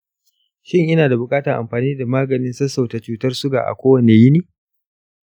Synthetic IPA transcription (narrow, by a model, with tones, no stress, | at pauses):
ʃɪ˦ŋʔɪ˦naː˨da˨bʊ˨kʼaː˦tɐ˨ʔa̰˨mɸaː˨niː˦da˨maː˦ɡɐ˨nɪ˦nsɐ˦sːa˨wta˨t͡ʃuː˦tɐ˦rsʊ˦ɡa̰ː˨ʔa̰˨kʷoː˦wɐ˨ne˨jɪ˦niː˦˨